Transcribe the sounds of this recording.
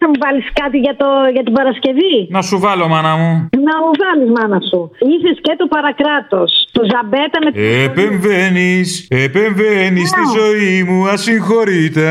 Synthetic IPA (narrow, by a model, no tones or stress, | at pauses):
ɐmuvɐliskɐt̪iʝɐt̪oʝɐt̪ibɐɾɐsce̞vinɐsuvɐlo̞mɐnɐmunɐuvɐlizmɐnɐsuisescet̪opɐɾɐkɾɐt̪o̞st̪ozɐbet̪ɐmeepeɱvenisepeɱvenistt̪izo̞imuɐsiŋxo̞ɾit̪e̞